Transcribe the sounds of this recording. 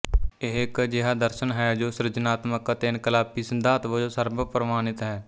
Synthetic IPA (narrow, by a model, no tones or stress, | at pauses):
eɦɪkd͡ʒɪɦaːd̪əɾʃənɦɛːd͡ʒoːsɾɪd͡ʒɪnaːt̪məkət̪eɪnkəlaːpisənd̪aːt̪ʋod͡ʒoːsəɾbəpɾəmaːnɪt̪ɦɛː